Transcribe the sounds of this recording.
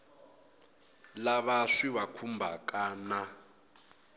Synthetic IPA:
laβaʂiβakʰumbʱakʼaːna

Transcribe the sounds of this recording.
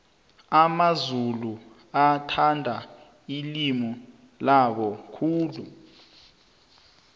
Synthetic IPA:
amazulu | atʰandʱa | ilimɔ | laɓɔkʰuːlu

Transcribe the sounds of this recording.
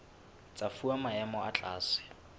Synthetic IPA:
t͡sʼafuamaɛmɔat͡ɬʼaːsɪ̥

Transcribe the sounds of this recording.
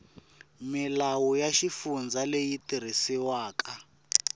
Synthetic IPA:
milawujaʃifund͡zalejitiɾ̤isiwaːka

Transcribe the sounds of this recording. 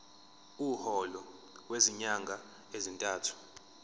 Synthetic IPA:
uːhɔlɔ | weziɲaŋɡʱa | ezintʼaːtʰu̥

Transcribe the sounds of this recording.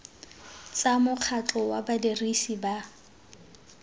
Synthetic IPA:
t͡samʊq͡χʰat͡ɬɔwabadirisiba

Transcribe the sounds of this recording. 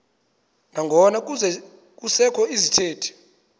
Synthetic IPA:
naŋɡʱɔnak̬ʼuzɛ | k̬ʼusɛkʰɔizitʰeːtʰi̥

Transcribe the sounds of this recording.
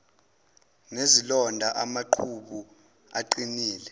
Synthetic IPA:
nezilɔndʱaʔamaǃʰuɓu | a̰ǃiniːlɛ

